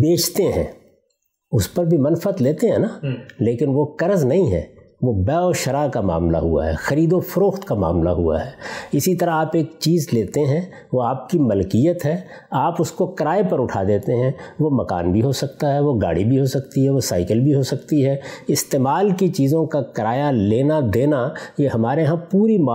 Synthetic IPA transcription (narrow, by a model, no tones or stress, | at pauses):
beːt͡ʃʰt̪eɦɛ̰̃ː | ʊspɐɾbʱimɐnfət̪leːt̪eɦɛ̃naleːkɪnʋokɐɾəznɐɦĩɦɛ̰ː | ʋobɛːoʃɐɾakama̰ːmla̰ɦṵa̰ɦɛ̰ːxɐɾiːd̪ofɐɾoːxt̪kama̰ːmla̰ɦṵa̰ɦɛːɪsit̪ɐɾaaːpeːkt͡ʃiːzleːt̪eɦɛ̃ | ʋoaːp̚kimɐlkijət̪ɦɛː | aːpʊskokɐɾaːepɐɾʊʈʰa̰ːd̪eːt̪eɦɛ̃ʋomɐka̰ːnbʱiɦosɐk̚t̪aɦɛʋoɡa̰ːɽibʱiɦosɐk̚t̪iɦɛʋosa̰ːɪkəlbʱiɦosɐkt̪iɦɛːɪst̪eːmaːlkit͡ʃiːzõkakɐɾaːjaleːnad̪eːnajeɦɐmaːɾeɦãpuːɾimː